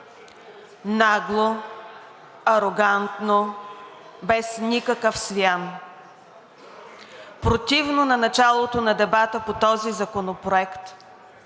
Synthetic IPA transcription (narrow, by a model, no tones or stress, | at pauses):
naɡlˠo | ɐɾoɡant̪no | bɛsnʲikəkəfsvʲian | pɾot̪ivnonɐnɐt͡ʃalˠot̪onɐd̪ɛbat̪əpot̪ɔzizɐkonopɾoɛkt̪